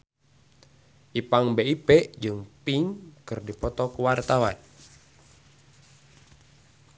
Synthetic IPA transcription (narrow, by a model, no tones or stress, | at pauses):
ʔipaŋbeipeʔd͡ʒɨŋpiŋkɨrdipɔt̪ɔkuwart̪awan